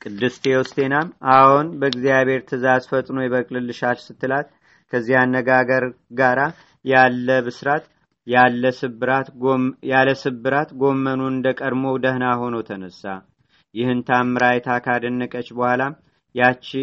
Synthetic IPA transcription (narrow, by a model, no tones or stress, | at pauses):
kʼɨd̪ːɨst̪ʰewɔst̪ʰʼe̞namʔawunbəɡzijaβhe̞ɾt̪ʰɨzazfət̪ʼnojɛβəkʼlɨlːɨʃalsɨt̪ʰːɨlat̪ | kʰəzːihanːəɡaɡəɾɡaɾa | jalːəβɨsɾat̪ | alːəsɨbɨɾat̪jaləsɨbːɨɾat̪ɡo̞mːənuɨnd̪əkʼədmo̞d̪əhnaɦo̞nowt̪ʰənəsːa | jɪhɨnt̪ʰamːɨɾajt̪ʰakʰad̪ənːəkʼət͡ʃːbəhʷalam | jat͡ʃːɪ